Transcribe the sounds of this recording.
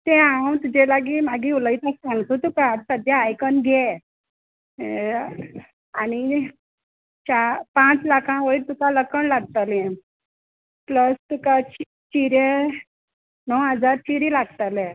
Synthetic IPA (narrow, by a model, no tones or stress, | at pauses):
t̪ɛ̃ãwt̪ud͡ʑelaɡimaɡiuləit̪asãŋɡt̪ot̪ukasəd̪ʱjaːjkənɡʱɛ | ani | t͡ɕapãt͡slakʰãʋəjɾt̪ukaləkəɳlaɡ̚t̪alɛ̃ | pləst̪ukat͡ɕ | t͡ɕiɾe | nɔwɦəd͡zaɾt͡ɕiɾilaɡt̪ale